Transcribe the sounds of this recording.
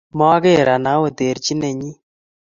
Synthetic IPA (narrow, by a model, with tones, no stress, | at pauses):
mɔ˦a˦ɣe˦˨ɾa˨na˨˦wo˨te˨ɾt͡ʃi˦nɛ˨ɲi˦